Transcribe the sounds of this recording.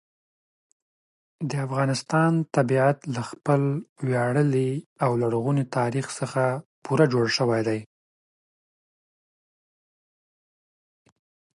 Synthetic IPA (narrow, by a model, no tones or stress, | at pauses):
d̪əafɣɑnɪst̪ɑnt̪abiat̪laxpəlwjaɽəliawlaɽɣunit̪ɑɾixsəxapʰuɾad͡ʒoɽʃəwajd̪aj